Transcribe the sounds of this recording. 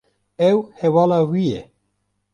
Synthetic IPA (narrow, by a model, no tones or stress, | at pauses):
ɛwhɛwɑːlɑːwijɛ̰